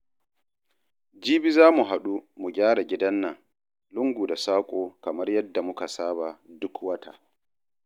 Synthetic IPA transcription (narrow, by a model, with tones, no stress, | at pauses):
d͡ʒiː˦bi˦zaː˦mu˨ɦa˨ɗu˦mu˨ɡʲaː˦ɽa˨ɡʲɪ˦dɐ˦nːɐ˨ŋ | lʊ˦ŋɡʷuː˨da˨saː˦kʷʼoː˨kɐ˨mɐ˦rjɐ˦dːa˨mʊ˦ka˨saː˦ba˨dʊ˦kwɐ˦ta̰˨